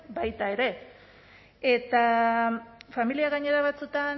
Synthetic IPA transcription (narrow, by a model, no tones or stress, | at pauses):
bajt̪ae̞ɾe̞ | et̪a | familiaɣaɲe̞ɾaβat͡sut̪an